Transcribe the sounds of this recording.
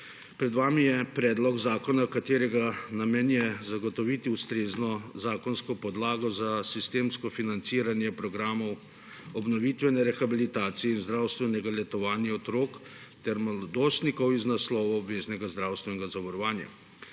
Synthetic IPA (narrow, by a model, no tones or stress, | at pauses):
pɾɛd̪ʋaːmijɛpɾɛːd̪lɔɡzaːkɔnakat̪eːɾɛɡanamɛnjɛzaɡɔt̪ɔʋit̪iust̪ɾeːznɔzaːkɔnskɔpɔd̪laːɡɔzasist̪eːmskɔfinant̪siːɾanjɛpɾɔɡɾaːmɔw | ɔbnɔʋit̪ʋɛnɛɾɛxabilit̪aːt̪sijɛinzd̪ɾawst̪ʋɛnɛɡalɛt̪ɔʋaːnjɛɔt̪ɾoːk | t̪ɛɾmalɔd̪ost̪nikɔwiznaslɔːʋɔɔbʋeːznɛɡazd̪ɾawst̪ʋɛnɛɡazaʋɔɾɔʋaːnja̰